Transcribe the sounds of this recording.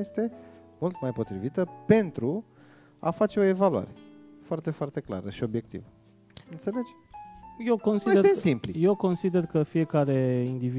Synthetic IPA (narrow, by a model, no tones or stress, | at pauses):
jest̪e̞mult̪majpo̞t̪ɾivit̪əpe̞nt̪ɾu | a̰fat͡ʃe̞o̞e̞valua̰ɾe | foart̪e̞foart̪e̞kla̰ɾəʃio̞bje̞kt̪ḭvə | ɨnt̪se̞le̞d͡ʒ | jewko̞nsieeemsimplije̞wko̞nsid̪e̞rkəfije̞kaɾe̞ind̪ivi